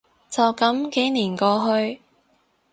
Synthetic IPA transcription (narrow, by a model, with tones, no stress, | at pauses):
t͡sɐ˨wkɐ˨˥mke˨˥jniː˨˩nkɔː˧ɦɵ˧ɥ